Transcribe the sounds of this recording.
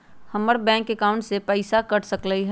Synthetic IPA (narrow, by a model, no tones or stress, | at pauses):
hɐməɾbɛ̃ːŋkːekaːʊ̃ɳʈsepəɪsakɐɽsəkləiɦ